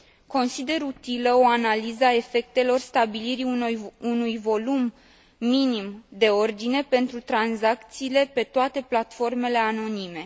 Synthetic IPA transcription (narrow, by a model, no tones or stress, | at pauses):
ko̞nsid̪e̞ɾut̪iləoanalizəae̞fe̞k̚t̪e̞lo̞rst̪abiliɾiunujvo̞lumː | inimd̪e̞o̞rd̪ine̞pe̞nt̪ɾut̪ɾanzak̚t̪siːle̞pe̞t̪oat̪e̞plat̪fo̞rme̞le̞ano̞nime̞